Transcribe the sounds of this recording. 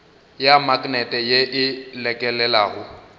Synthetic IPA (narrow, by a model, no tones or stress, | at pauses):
jamakʼnɛtʼɛjeʔɪlɛkʼɛlɛlaːɣʊ